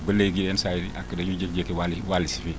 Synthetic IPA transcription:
bəleɡiensajiɾiʔakːədajud͡ʒekd͡ʒekewaliwalisifi

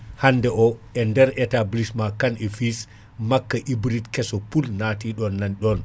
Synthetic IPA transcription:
hanːdɛʔɔʔɛndɛɾɛtablismakanɛfis | makːaʔibɾitkɛsɔpulnatiɗɔnːanɗɔn

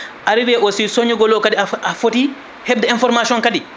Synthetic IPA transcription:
ʔaɾiɾɛʔosisoɲiɡɔlɔkadiaafoti | hɛb̚dɛinfɔɾmasiɔnkadi

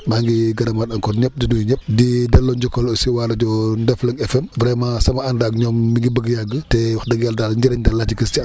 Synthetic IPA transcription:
maŋɡiɡɐdɐmadɐŋkɔnɲɛp̚dinujiɲɛp̚didɛlːɔɲɟɔkɔlɔsiwaːlɐɟɔndɛflɐŋɛfɛmbɾɛmasɐmɐandaːk̚ɲɔmmiŋɡibəɡjaɡːətɛwɐxdɐɡjaldaːlɲd͡ʒɐɾɛɲdɐlːatikəsti

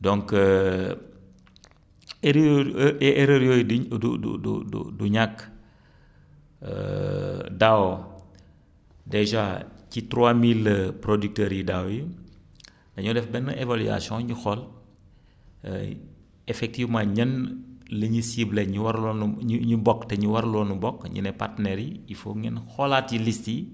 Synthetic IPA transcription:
dɔ̃ŋkə | eɾ | eɾəɾjojiddudṵdṵdṵduɲakː | ə̰ | daw | deʒacitɾwamilpɾodyk̚təːɾjidaːwji | dɐɲɔdɛfbɛnːɐʔevaly̰a̰sjɔ̃ɲuxɔl | efɛk̚tivmãːɲɐnləɲisibleɲwaɾlɔnɲɲibɔkːtɛɲuwɐɾlɔnubɔkɲḭnɛpa̰rtnɛɾiifoŋɛnxɔlatilisti

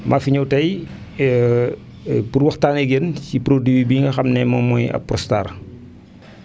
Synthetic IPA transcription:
mʔafiɲɐwtɐj | purwɐxtaːnɛɡencipɾodiwibiŋɡɐxɐmnɛmɐmɔjɐ̰pːrɔstaːɾ

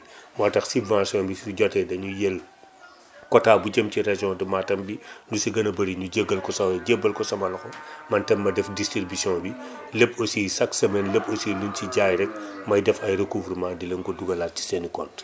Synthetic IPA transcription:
maːtɐxsibvãsɔ̃nbisiɟɔtɛdɐɲujɛl | kɔtaːbuɟɐmciɾeʒɔ̃dumaːtɐmbindusiɡɐnɐbɐɾiɲuɟeɡɐlkɔsɐɟebːɐlkɔsɐmɐlɐxɔmɐntɛmːɐdɛfdistɾibisiɔ̃bi | lepːosisɐksɐmɛnleposilunciɟaːjɾɛk̚mɐjdɛfɐjɾekuvɾmãdilɛŋkɔduɡɐlat̚ci̥senikɔnt

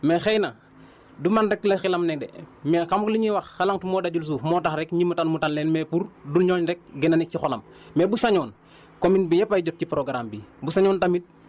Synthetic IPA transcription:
mexejna | dumandekːlexilamnɛk̚dḛmexamkliɲiwaxːalaŋtumoːdaɟuls̬uːfmoːtaxɾekɲimutanmutanleːnmepuɾdulɲoːɲɾɛk̚ɡenanik̚cixola̰mː | ebusaɲoːn | kominbijapajɟot̚cipɾoɡɾambibusaɲoːntamit̚

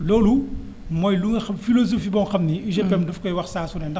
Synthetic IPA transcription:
loːlu | mɔːjluŋɐxɐmfilozofiːbɔŋxɐmniiʒɛpɛmdɐfkɔjwɐxsaːsunɛndɐ

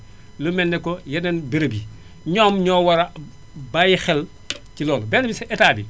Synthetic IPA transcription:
lumɛnːɛkːɔjɐnɐnbiɾɐbi | ɲɔmɲɔːwɐɾɐ | bajixɛl | cilɔːlbɛnːɐbisɛʔɛtaːbi

